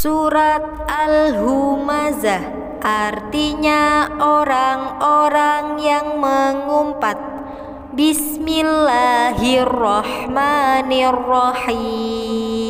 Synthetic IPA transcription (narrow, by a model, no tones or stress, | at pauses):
suɾat̪̚alɦumazah | ʔart̪iɲaoɾaŋoɾaŋjaŋməŋumpat̪̚ | bismilːaɦirːɑħmanirːɔħiː